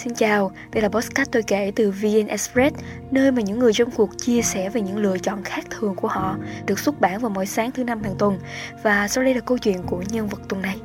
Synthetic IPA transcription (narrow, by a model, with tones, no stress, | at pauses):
si˧nt͡ɕaː˨˩w | ɗə˧jlaː˨˩ɓɔ˦˥kaː˦˥t̚t̪o˧˩jke˧˩t̪ɨ˨˩vi˧ʔɛ˧nʔɛ˨˧˥spɹɛ˦˥t̚ | nəː˧jmaː˨˩ɲɨ̰˧˥ŋːɨ˨˩əjt͡ɕɔ˧wŋ͡mku˨˩ək̚t͡ɕi˧əsɛ˧˩ve˨˩ɲɨ̰˧˥ŋlɨ̰˧˨ət͡ɕɔ̰˧˨nxaː˦˥k̚t̪ʰɨ˨˩əŋku˧˩əhɔ̰˧˨ɗɨ˨˩ək̚su˦˥t̚ɓaː˧˩nvaː˨˩wmo̰˧˥˨jsaː˨˦ŋt̪ʰɨ˨˦na˧mt̪ʰaː˧˩ŋt̪wə˨˩nvaː˨˩sa˧wɗə˧jlaː˨˩kə˧wt͡ɕwḭ˧˨ənku˧˩əɲə˧nvə˨˩t̚t̪ə˨˩na˨˩j